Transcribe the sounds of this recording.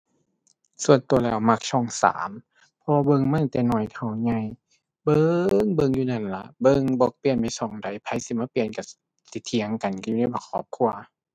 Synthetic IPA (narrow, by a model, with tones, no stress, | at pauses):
su˧ənt̪u˨˧˩ɐlɛː˧˩wma˧k̚t͡ɕʰɔ˧˩ŋsa̰ː˨˦m | pʰɔ˧waː˧bɤ˧˨ŋma˧˥˨nt̪ɛː˨˧˩nɔː˧˩jk̪ʰa˧˩wɲa˧˨j | bɤ˧ŋbɤ˧˨ŋjuː˧na˧˩nla˧˦ʔbɤ˧˨ŋbɔː˧˦k̚pi˧˨ənba˧jsɔ˧˩ŋda˨˦jpʰa˧˦jsi˧˦maː˧˥˨pi˧˨ənka˧˩ | t̪i˧˦t̪ʰːi˧˦əŋka˨nka˧˨ju˧na˧˩˨bɔː˧˩kʰɔː˧˦p̚kʰu˧ɐ